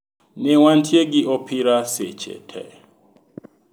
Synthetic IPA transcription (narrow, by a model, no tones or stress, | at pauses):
nɛwantʰjeɡiʔɔpʰiɾasɛ̰t͡ʃʰɛ̰tʰɛ̰